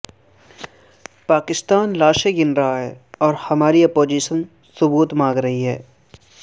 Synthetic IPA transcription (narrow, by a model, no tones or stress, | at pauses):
paːkɪst̪aːnlaːʃeɡɪnɾɐɦaɦɛ̰ːɔːɾhɐmaːɾiɐpoːd͡ʒiːʃən | sʊbuːt̪mãːɡɾɐɦiɦɛ̰ː